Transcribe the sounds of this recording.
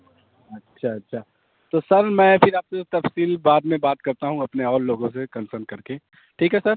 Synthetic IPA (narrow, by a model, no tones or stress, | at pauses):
ɐtːʃʰaɐtːʃʰaː | t̪oːsɐɾmɛ̃ːfɪɾaːp̚set̪ɐfsiːlbaːd̪mẽbaːt̪kɐɾt̪aɦũɐpneɔːlːoːɡõs̬ekɐ̃nsəɾnkɐɾke | ʈʰiːkɦɛsɐɾ